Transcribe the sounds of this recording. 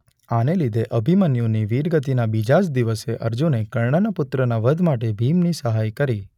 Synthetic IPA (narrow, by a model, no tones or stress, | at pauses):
anelid̪ʱeʔəbʱimənjõniʋiɾɡət̪inabid͡ʒad͡ʒd̪iʋəseʔəɾd͡ʒunekəɭɳanəpʊt̪ɾənaʋəd̪ʱmaʈebʱimnisəɦajkəɾi